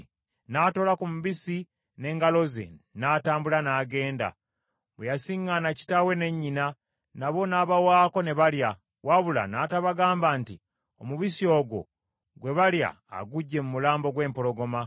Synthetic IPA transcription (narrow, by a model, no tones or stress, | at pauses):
nato̞ːlakumuβisi | ne̞ːŋɡalo̞ze̞̰naːtaːmbulanaːɡe̞ːnda̰ | βwejasiŋːanaci̥tawe̞ne̞ɲːina | naβo̞naːβawaːko̞ne̞βalja | waβula̰naːtaβaɡaːmbanti | omuβisio̞ːɡo̞̰ | ɡwe̞βalja̰ːɡuɟːe̞mumulaːmbo̞ɡwe̞ːmpo̞lo̞ɡo̞ma